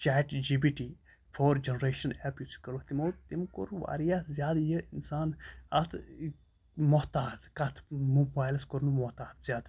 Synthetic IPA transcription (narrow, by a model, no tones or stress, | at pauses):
t͡ʃɛːʈd͡ʒibiʈi | fʰoːɾd͡ʒenɾeːʃɐnɛpjut͡ʃkɐɾuht̪imoːt̪imko̰ɾuʋa̰ːɾijazʲjaːd̪jəinsaːnɐt̪ʰ | mot̪aːd̪kɐt̪ʰmubaːjlskoɾnumɔt̪aːd̪z̥jaːd̪